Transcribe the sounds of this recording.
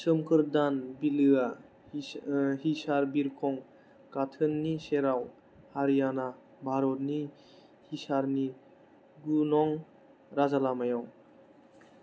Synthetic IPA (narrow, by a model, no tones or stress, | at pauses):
sɯmkʰɯɾdanbilɯa | hisaɾbiɾkʰɔŋ | katʰɯnːiseɾaw | haɾijana | bʱaɾɔt̚ni | hisaɾni | ɡunɔŋ | ɾazalamajɔŋ